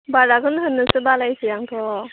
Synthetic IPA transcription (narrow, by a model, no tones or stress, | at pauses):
baɾaɡɯnɦɯnːɯsɯbalajsɯjaŋtʰɔ